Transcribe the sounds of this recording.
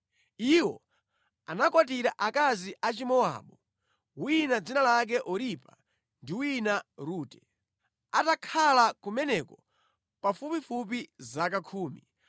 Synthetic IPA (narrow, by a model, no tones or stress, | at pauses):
iwɔ̰ | anakwat̬iɾaʔakaziʔat͡ʃimɔa̰ɓɔ | winad͡zinalak̬ɛʔɔɾipa̰ | ndiwinaɾuːtɛ | atakʰalakumɛnɛkɔ | pafupifup̬izak̬akʰuːmḭ